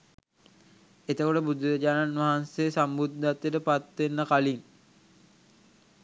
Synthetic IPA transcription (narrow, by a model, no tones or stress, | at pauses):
et̪əkoʈəbud̪uɾəd͡ʑaːnanʋaɦansesambud̪ʱːat̪jəʈəpat̪ʋenːəkalin